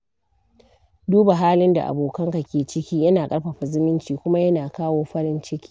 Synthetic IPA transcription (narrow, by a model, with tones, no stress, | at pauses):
duː˦ba˨ɦaː˦lɪ˦nda̰˨ʔa̰˨boː˨kɐ˦ŋka˨kʲeː˨t͡ʃɪ˦kʲiː˦jɐ˦naː˨kʼɐ˦ɽɸɐ˨ɸa˨zɪ˦mɪ˦nt͡ʃiː˨kʷʊ˦ma˦jɐ˦naː˨kaː˦woː˦ɸɐ˦ɽɪ˦nt͡ʃɪ˦kʲiː˦